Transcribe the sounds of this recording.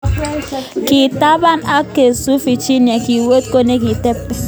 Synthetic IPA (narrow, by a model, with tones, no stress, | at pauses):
ki˨ta˦ba˦na˦ke˨su˦fi˨t͡ʃi˦n˨e˨ki˨wo˦t̚ko˦ne˦ki˨tɛ˦p